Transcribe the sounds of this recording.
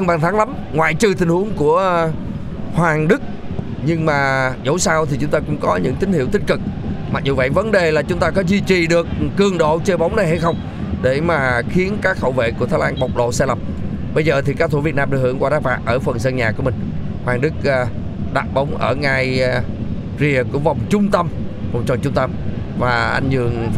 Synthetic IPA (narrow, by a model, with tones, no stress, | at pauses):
ə˧ŋɓaː˨˩nt̪ʰːŋla˨˦m | ŋwa̰ː˧˨jt͡ɕɨ˧˩t̪ʰï˧˩ŋ̟hu˨˦əŋku˧˩ə | hwaː˨˩ŋɗɨ˦˥k̚ | ɲɨ˧ŋmaː˨˩zo̰˧˥˦wsaː˧wt̪ʰi˨˩t͡ɕʊ˨˦ŋ͡mt̪aː˧kʊ̰˧˥ŋ͡mkɔ˨˦ɲɨ̰˧˥ŋt̪ï˨˦ŋ̟hḭ˧˥əwt̪ï˦˥k̟̚kɨ˨˩k̚ma˨˩k̚zu˨˩və̰˧˨jvə˨˦nɗe˨˩laː˨˩t͡ɕʊ˨˦ŋ͡mt̪aː˧kɔ˨˦zwi˧t͡ɕi˨˩ɗɨ˨˩ək̚ːɨ˨˩əŋɗo̰˧˨t͡ɕəː˧ɓa˨˦wŋ͡mna˨˩jha˧jxə˧wŋ͡m | ɗe˧˩maː˨˩xi˨˦ənkaː˦˥k̚hə̰˧˨wvḛ˧˨ku˧˩ət̪ʰa˨˦jlaː˧nɓə˨˩wk͡p̚ɗo̰˧˨saː˧jlə˨˩m | ɓə˧jzəː˨˩t̪ʰi˨˩kaː˦˥k̚t̪ʰu˧˩vi˨˩ət̚naː˧mɗɨ˧˩khɨ̰˧˩əŋkwaː˧ɗaː˨˦˥faː˨˩p̚ʔəː˧˩fə˨˩nsə˧nɲaː˨˩ku˧˩əmï˨˩ŋ̟ | maː˧˩ŋɗɨ˦˥k̚ː | ɗa̰ː˧˨ɓə˨˦wŋ͡mʔəː˧˩ŋa˨˩j | zi˨˩əku˧˩əva˨˩wŋ͡mt͡ɕʊ˧ŋ͡mt̪ə˧mva˨˩wŋ͡mt͡ɕɔ˨˩t͡ɕʊ˧ŋ͡mt̪ə˧m | vaː˨˩ʔa˧jŋzɨ̰˨˩əŋ